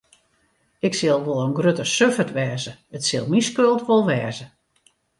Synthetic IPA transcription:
ɪksɪlˠʋolˠənɡrøtəsøfətʋɛːzəətsɪlˠmiskølˠtʋolˠʋɛːzə

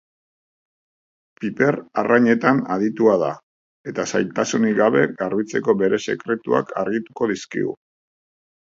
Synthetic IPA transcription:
pipe̞raraɲe̞t̪anaðit̪uað̞a | e̞t̪asajlt̪asuniɡaβe̞ɣarβit͡se̞ko̞βe̞ɾe̞se̞kɾe̞t̪ua̰kʰa̰ɾɣit̪u̥ko̞ðiskḭɣṵ

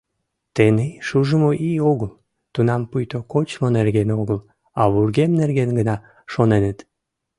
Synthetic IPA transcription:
t̪eneʃuʒəmoʔioɣəl | t̪unɑmpujt̪okot͡ɕmonerɣenoɣəl | ɑβurɣemnerɣenɡənɑ | ʃonenət̪

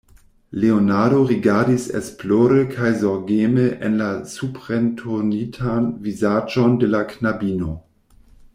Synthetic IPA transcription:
leonaɐɾoʁiɡaɐdisɛ̰sploːɾəkʰajzɔʁɡeːməʔɛ̰nlasupʁ̥ɛntʰonitʰanvizaːd͡ʒɔndəlaknabiːno

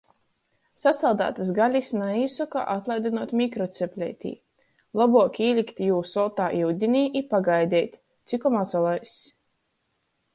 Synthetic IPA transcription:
sasalˠd̪a̰ːt̪asɡalʲisnaiːsɔka̰ʔat̪lˠajd̪ʲinuɔt̪ʲmʲikɾɔt̪sʲɛpʲlʲɛ̰t̪ʲḭː | lˠabuɔkʲiːlʲikt̪ʲijuːsɔt̪aːʔiwd̪ʲinʲiːʔipaɡajd̪ʲɛːt̪ʲ | t̪sʲikɔmat̪salˠajsʲ

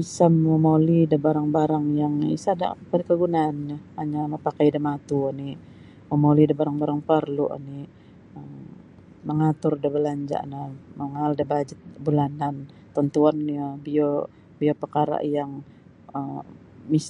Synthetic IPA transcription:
isamomolidabaɾaŋbaɾaŋjaŋḭsada̰pəɾkəɡunaːnɲəhaɲamapakajdamat̪uəni | momolidabaɾaŋbaɾaŋpərluʔa̰ni | əm | məŋat̪ʊrdabəlaɲd͡ʒa̰ʔnaməŋaldabad͡ʒɪt̪̚bulanant̪ɔnt̪uanːiəbio | biopərkaɾa̰ʔjaŋ | əm | mis

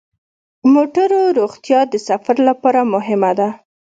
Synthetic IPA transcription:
moʈaɾoɾoɣt̪jɑd̪əsafaɾlapɑɾamʊɦɪmad̪a

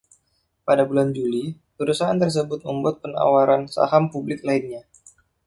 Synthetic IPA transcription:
padabuland͡ʒuli | pəɾusaa̰nt̪ərs̬əbʊt̪̚məmbuat̪̚pəna̰waɾansa̰ɦampublɪklaɪnɲa

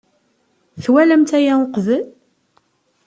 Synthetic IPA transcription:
θwæləmt̪æjæʊqvəl

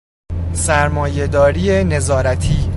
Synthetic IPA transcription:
sæɾmɒːje̞d̪ɒːɾiːene̞zɒːɾæt̪ʰiː

